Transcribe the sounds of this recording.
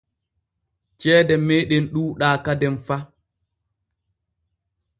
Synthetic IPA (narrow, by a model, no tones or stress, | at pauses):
t͡ʃɛːdɛmeːɗɛnɗuːɗaːkadɛnfa